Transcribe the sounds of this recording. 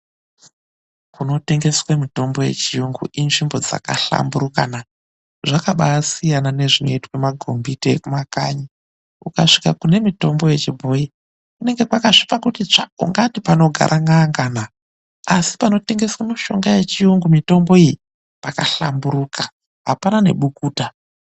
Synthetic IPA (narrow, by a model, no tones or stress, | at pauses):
kuno̞te̞ŋɡe̞swemito̞mbo̞je̞̰t͡ʃijuŋɡṵʔinʐimbo̞d͡za̰ka̰ɬa̰mburuka̰na | ʐakaɓaasijanane̞ʐino̞itwemaɡʱo̞mbiteekumaka̰ɲi | ukaʂi̥kakune̞mito̞mbo̞je̞t͡ʃibʱo̞i | kune̞ŋɡe̞kwakaʐipakutit͡ʂaṵŋɡatipano̞ɡʱa̰ɾʔaŋaŋɡana | asi̥pano̞te̞ŋɡe̞swemiʃo̞ŋɡaje̞t͡ʃijuŋɡumito̞mbo̞iji | pakaɬa̰mbuɾuka | ɦapanane̞̰ɓukuːta